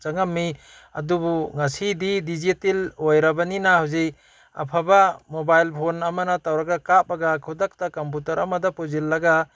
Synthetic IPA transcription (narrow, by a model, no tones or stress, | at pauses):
t͡ʃaŋamːi | a̰dubuŋasididizitilojɾabaninahawzej | a̰pʰabamobajlpʰonamanatawɾaɡakap̚aɡakʰudak̚takamp̬utaɾa̰madapozilːaɡa